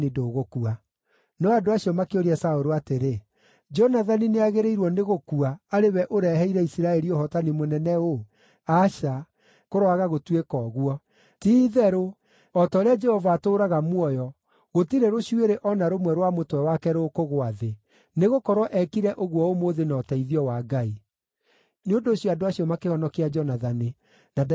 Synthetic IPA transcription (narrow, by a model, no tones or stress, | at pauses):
nidoːɣokua | nɔadoaɕiɔmakeoɾiasaoɾoateɾe | d͡ʒɔnaðanineaɣeɾeiɾwɔneɣokuaːɾewɛʔoɾɛɦɛiɾɛisiɾaɛɾioɦɔtanimonɛnɛo | aʃa | koɾwaɣaɣotwekɔːɣwɔ | tiːðɛɾo | ɔtɔɾead͡ʒɛhɔvaːtoːɾaɣamwɔjɔ | ɣotiɾeɾoɕieɾeʔɔnaɾomwɛɾwamotwɛwakɛɾokoɣoaðe | neɣokɔɾwɔʔɛkiɾɛʔoɣwɔomoðenɔːtɛiðiɔwaɡai | neondoːɕjɔadoaɕjɔmakehɔnɔkead͡ʒɔnaðane | na